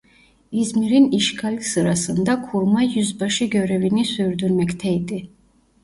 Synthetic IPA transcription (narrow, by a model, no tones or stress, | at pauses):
izmiɾiniʃkʰalʲsɯɾasɯnd̪akʰuɾmajyzbaʃɯɟøɾɛvinisyɾd̪yɾmɛct̪ʰɛjd̪i